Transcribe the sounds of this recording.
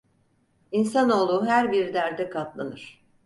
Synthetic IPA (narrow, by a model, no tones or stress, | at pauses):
insano̞ːlˠuɦæɾbiɾd̪æɾd̪ɛkʰat̪lˠanɯɾ̥